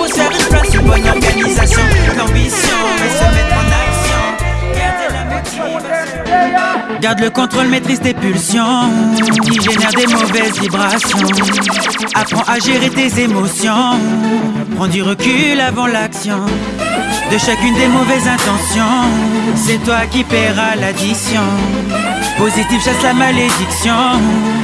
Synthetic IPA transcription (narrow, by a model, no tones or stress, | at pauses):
usɛʁiplãsybɔnɔʁɡanizasjɔ̃lɔʁmisjɔ̃esɔmɛt̪χɑ̃naksjɔ̃ɡaʁd̪elamɛt̪iis | ɡaʁd̪ləkɔ̃t̪χolmet̪χisd̪epylsjɔ̃ | iʒenɛʁd̪emɔvɛzvibʁasjɔ̃ | apχɑ̃ʔaʒeʁet̪ezemɔsjɔ̃ | pʁɑ̃d̪yʁəkʲylavɑ̃laksjɔ̃ | d̪əʃakʲynd̪emɔvɛzɛ̃t̪ɑ̃sjɔ̃sɛt̪wakʲipɛʁalad̪isjɔ̃ | pozit̪ifʃaslamaled̪iksjɔ̃